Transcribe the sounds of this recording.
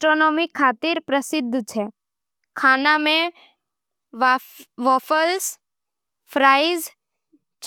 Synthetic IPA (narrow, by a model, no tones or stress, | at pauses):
ʈɾoːnɔːmikʰːaːt̪iɾpɾəsɪd̪ʱːt͡ʃʰɛː | kʰaːnamẽ | ʋɔːfʰəls | pʰɾaːɪz | t͡ʃ